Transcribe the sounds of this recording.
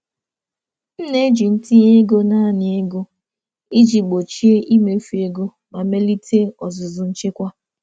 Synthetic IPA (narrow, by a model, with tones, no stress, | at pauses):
n̩˦ne˦d͡ʒi˨n̩˦ti˦ɲe˦ɡo˦na˦˨nɪ˨e˦ɡo˦ | i˦d͡ʒi˨ɡ͡bo˨t͡ʃi˦e˦ʔi˦me˨˦fi˨˦e˨ɡo˦ | ma˨me˦li˦tʰe˦ɔ˨zʊ˨zʊ˨n̩˦t͡ʃe˦kʷa˦